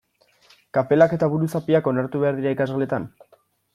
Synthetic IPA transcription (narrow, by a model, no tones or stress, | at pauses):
kape̞lake̞t̪aβuɾusapiako̞naɾt̪uβe̞aɾðiɾaikazɣale̞t̪an